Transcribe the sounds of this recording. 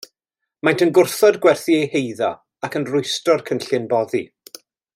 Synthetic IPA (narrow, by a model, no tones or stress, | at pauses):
majntʰənɡʊrθɔdɡwɛrθiejhejða̰ | akənrʊjstɔrkʰənɬɪnbɔðḭ